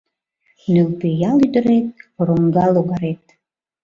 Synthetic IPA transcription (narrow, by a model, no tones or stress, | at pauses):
nylpejalyd̪ə̆ɾet̪̚ɾoŋɡɑloɣaɾet̪̚